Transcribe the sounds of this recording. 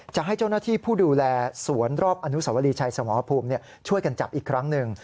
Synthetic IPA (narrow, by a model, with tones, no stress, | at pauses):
t͡ɕa˨˩ɦa˥˩jt͡ɕa˥˩naː˥˩t̪ʰiː˥˩pʰuː˥˩duː˧lɛː˧su˩˦ənɾɔː˥˩p̚ʔa˧nu˦˥sa˨˩˦wa˧liː˧t͡ɕʰa˧jsa˧mɔː˩˦pʰuː˧mni˥˩ə | t͡ɕʰu˥˩əjka˧nt͡ɕa̰˨˩p̚ʔiː˨˩kʰɾa˦˥ŋnɯ˨˧ŋ